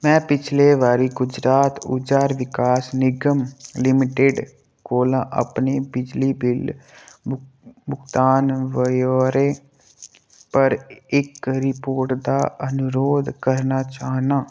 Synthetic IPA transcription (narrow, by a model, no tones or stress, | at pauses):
mɛ̃ːpɪt͡ʃʰleʋaːɾiɡʊd͡ʒɾaːt̪ʊ̰d͡ʒaːɾʋɪkaːsnɪɡəmlɪmɪʈeɖ | koːlãʔə̰pnebɪd͡ʒlibɪl | bʊɡt̪aːnʋəjoːɾe | pəɾɪkɾɪpoːɾʈd̪aənʊɾoːd̪kəɾnat͡ʃaːɦnãː